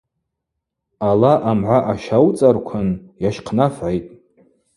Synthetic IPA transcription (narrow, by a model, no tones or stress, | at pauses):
alaʔamʕʷaʔaʃawt͡sʼarkʷʰanjaʃqʰnafʕajtʼ